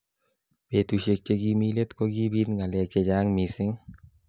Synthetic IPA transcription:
be˨tu˨ʃe˨k̚t͡ʃe˦ɡi˦mi˦le˦t̪ko˦ɡi˦bi˦nŋɡa˨lɛ˨k̚t͡ʃe˦d͡ʒa˦ŋmi˨sɪ˦ŋ

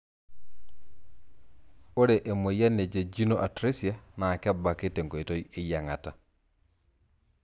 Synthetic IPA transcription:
o˦ɾe˨ʔe˨mo˨ja˦ne˨d͡ʒe˨d͡ʒi˦no˦ʔa˨tɾe˦si˨a˦na˨kɛ˦ba˨ke˦te˨ŋɡo˨i˨to˦je˦ja˨ŋa˨ta˨

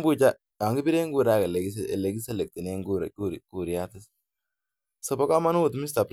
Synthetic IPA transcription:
bu˦t͡ʃa˦ | a˨ŋɡi˦bi˦ɾe˦ŋɡu˦˨ɾa˦ke˨le˨ɡi˦sḛ˨le˨ɡi˦se˦le˨k̚t̪i˨ne˦ŋɡu˦ɾ̰ku˦ɾku˨ɾi˨a˦t̪ɪ˦s | sɐ˨bɔ˦ka˦ma˦n˦wʊ˨t̪mi˦s̬ta˨p

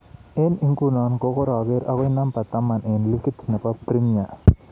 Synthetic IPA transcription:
e˦ni˦ŋku˦na˨nko˦ko˦ɾa˨ɡe˦ɾa˦ɣo˦jna˦mpa˨t̪a˦mːa˨nʔe˨nlu˦ki˦t̪ʰːne˨pa˦pɾi˦mija˨

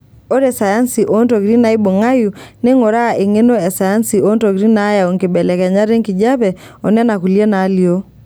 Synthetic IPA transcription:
o˦ɾɛ˨sa˨ja˦nsi˨ʔo˦ntɔ˨ki˨ɾi˦na˨˦i˦bo˨ŋa˦ju˨ne˦ŋo˨ɾa˦˨ʔe˨ŋe˦no˦ɛ˨sa˨ja˦nsi˨o˦ntɔ˨ki˨ɾi˦na˨˦ja˨o˨ŋke˨bɛ˨lɛ˨kɛ˨ɲa˦ɾe˦ŋki˨d͡ʒa˦βɛ˨ | ɔ˨nɛ˦na˨ku˨ljɛ˦na˨˦li˨o˦

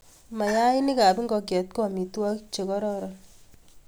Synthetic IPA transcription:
ma˨ja˦i˦nɪ˦ka˨bi˦ŋɡɔ˧k̬ɛ˨t̚kɔ˦˨mi˨twa˦kt͡ʃe˨kɔ˦ɾɔ˦ɾɔ˨

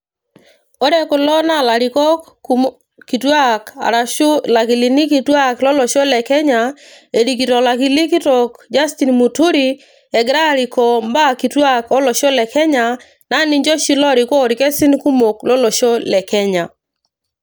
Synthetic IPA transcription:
ɔ˦dɛ˦kɔ˨lɔ˦na˦la˨ɾi˨kɔ˦ | ki˨twa˦ka̰˨ɾa˨ʊ˦la˨ki˨li˨ni˦ki˨twa˦klɔ˦lɔ˨ʃo˦lɛ˨kɛ˦ɲa˨ | e˨ɾi˨ki˨tɔ˨la˨ki˨li˦ki˦tɔ˨kd͡ʒa˦sti˨nmu˨tu˦ɾi˨ | ɛ˨ɡɾa˦ɾi˨kɔ˨mba˦ki˨twa˦kɔ˦lɔ˨ʃo˦lɛ˨kɛ˦ɲa˨ | na˦ni˦ɲd͡ʒo˦ʃi˦lɔ˦ɾi˨kɔ˦˨ɾi˨kɛ˦si˦nku˦mo˨klɔ˦lo˨ʃo˦lɛ˨kɛ˦ɲa˨

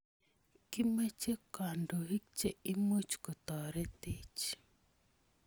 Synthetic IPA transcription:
ki˦me˦t͡ʃe˦ka˨ndo˨ɦi˦k̚t͡ʃe˦i˦mo˦t͡ʃko˨t̪ɔ˨ɾɛ˦t̪e˦t͡ʃ

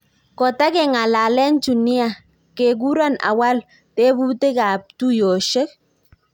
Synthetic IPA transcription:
kɔ˨ta˦ke˨ŋa˨la˨lɛ˦nt͡ʃu˨ni˦a˦˨ | ke˨k̬u˦ɾɔ˦na̰˨wa˦l | te˦bu˦te˦ka˨p̚tu˦jo˨ʃe˦k̚

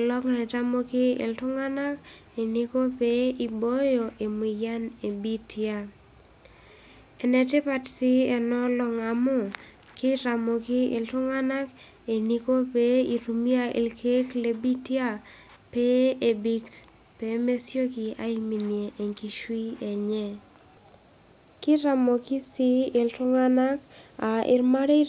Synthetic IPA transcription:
lɔ˦kŋa˨ta˦mo˦kɪ˦ɪ̰˨ltʊ˦ŋa˦na˦k | e˨ni˦ko˦pe˦i˨bo˦jo˨ʔe˨mwi˨ja˦ne˨bi˦tʰja˦ | e˨nɛ˨tɪ˦pa˨tsɪ˦ɛ˨nɔ˦lɔ˨ŋa˨mʊ˦ | kɪ˦ta˨mo˨kɪ˦ɪ̰˨ltʊ˦ŋa˦na˦k | e˨ni˨ko˦pe˦i˨ɾu˨mi˦a˦ʔḭ˨lke˦kle˨bi˦tja˦ | pe˦e˨bi˦k | pe˨me˦sjo˦kɪ˨a̰˦i˦mi˨nje˨ʔe˨ŋki˨ʃwi˦ɛ˨ɲɛ˦ | kɪ˦ɾa˨mo˨kɪ˦si˦ɪ˨ltʊ˦ŋa˦na˦ka˨ʔɪ̰˨ɾma˦ɾɪ˦

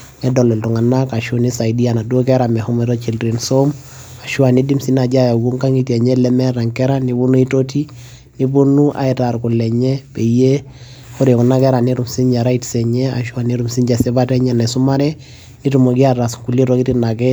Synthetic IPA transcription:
nɛ˦dɔ˨lɛ˨ltʊ˨ŋa˨na˦ka˨ʃu˦ni˦sa˨idi˦a˨na˨du˦o˦kɛ˦ɾa˨mɛ˨hɔ˦mɛ˨ɾɔ˦t͡ʃi˨lri˨nso˦m | a˨ʃu˦a˨ni˦di˦msi˦na˨d͡ʒa˦ja˨wu˦ŋka˦ŋi˦tiɛ˨ɲɛ˦lɛ˦mɛ˦ɾa˨ŋkɛ˦ɾa˦ni˦bu˦nu˦i˦to˦ti˦ | ni˦bu˦nu˦ʔa̰˦ɛ˨ta˨ɾkʊ˨lːɛ˨ɲɛ˦pɛ˨je˦ | ho˦ɾe˨ku˨na˦kɛ˦ɾa˨ni˦ɾu˨msi˦ɲd͡ʒɛ˨ɾa˦itsɛ˨ɲɛ˦a̰˨ʃu˦a˨ni˦ɾu˨msi˦ɲd͡ʒɛ˨sɛ˦ba˦tɛ˦ɲɛ˨nɛ˨sʊ˦ma˦ɾɛ˦ | ni˦tu˨mo˨ki˦a˦ɾa˨sŋku˨li˦ɾɔ˦ki˦ti˦na˨kɛ˦

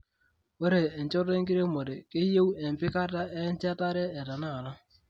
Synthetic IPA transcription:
we˦ɾeː˨n˨t͡ʃo˦te˦ŋki˦ɾe˦mo˨ɾe˨ke˦je˦we˨m˨pɪ˦ka˦ta˦e˦n˦t͡ʃa˦ta˦ɾɛː˦˨ta˨na˦˨na˦

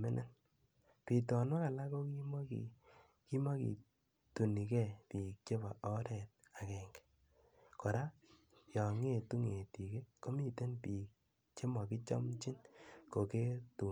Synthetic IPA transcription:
me˦nʔe˦n | pi˨tɔ˨no˦ka˨la˦ko˦ki˦m˦ḭ | ki˦ma˦kḭ˨ | tu˨ni˨kɛ˦˨pi˨k̚t͡ʃe˦ba˨ʔɔ˦ɾɛ˨t̚a˨kɛ˨ŋɡɛ̥ | ko˨ɾa˦ | jɔ˨ŋe˦˨tu˦ŋe˨ti˨ke˦ko˦mi˦te˦npi˨k̚ | t͡ʃe˦mɔ˨ki˦t͡ʃɔ̰˦mt͡ʃi˦nko˨ke˦tu˨

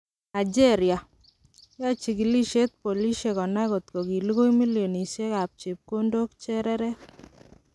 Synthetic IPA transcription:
na˨d͡ʒe˦ɾja˨ | ja˦t͡ʃi˨ki˨li˦ʃe˦t̪̚po˨li˦ʃe˨kɔ˨na˦ko˨t̪ko˨ki˨li˦ɣo˦jmi˦ljo˨ni˨sje˦ka˨p̚t͡ʃe˨p̚ko˦ndo˦kt͡ʃɛ˦ɾɛ˦ɾɛ˦k

